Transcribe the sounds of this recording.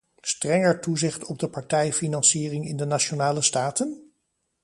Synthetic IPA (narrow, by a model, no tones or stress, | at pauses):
strɛŋəɹtuzɪχtɔb̚dəpɑɹtɛjfinɑnsiːrɪŋɪndənat͡ʃonaːləstaːtən